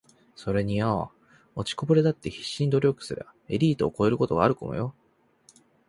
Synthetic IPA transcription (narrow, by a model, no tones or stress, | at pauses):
so̞ɾe̞ɲ̟ia | ot͡ɕi̥ko̞boɾe̞d̪at̪ːe̞çi̥ɕːĩɲʲd̪o̞ɾʲo̞kɯ̟̥sɨɾḛae̞ɾʲiːt̪o̞ːko̞e̞ɾɯ̟ko̞t̪o̞ɡaaɾɯ̟ko̰mojo̞